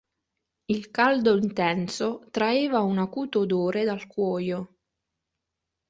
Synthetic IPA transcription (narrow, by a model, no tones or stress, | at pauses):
ilkald̪oint̪ɛnsot̪ɾaeːvaunakuːt̪od̪oːɾed̪alkwɔːjo